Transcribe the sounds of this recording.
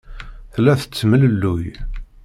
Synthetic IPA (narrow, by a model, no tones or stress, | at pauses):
θlːæθə̥t͡sːəmələlːuj